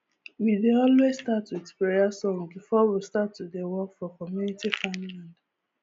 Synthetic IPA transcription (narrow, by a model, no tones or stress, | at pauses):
wideɔlwesstatuɛkspiɾiasɔ̃mbifɔwistatːudewɔkfɔkɔmjunitifãnlãnd